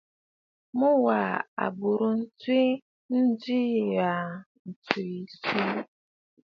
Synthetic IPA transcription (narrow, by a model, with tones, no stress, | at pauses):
mʊ˦wa˨a̰˨bʊ˨ɾʊ˨n̩˦˨ti˦ | n̩˦dɪ˦˨ja˨ | n̩˨tu˨i˨si˦